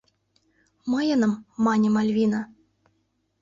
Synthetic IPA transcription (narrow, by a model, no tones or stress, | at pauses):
mɤjɤ̆nɤ̆mːɑnʲɤ̆mɑlʲvʲinɑ̆